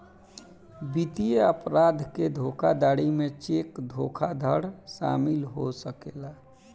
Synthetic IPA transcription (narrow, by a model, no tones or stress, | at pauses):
bit̪ijeəpɾad̪ʱked̪ʱokʰad̪aːɽimet͡ʃekd̪ʱokʰad̪ʱəɽsa̰ːmilɦosəkela